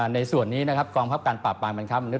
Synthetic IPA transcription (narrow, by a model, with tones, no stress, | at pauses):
na˧jsu˨˩ənːiː˦˥na˦˥kʰa˦˥p̚kɔː˧ŋpʰa˦˥p̚kaː˧npaː˨˩p̚ːaː˧ŋma˧nkʰa˦˥p̚ma˧nu˦˥t̪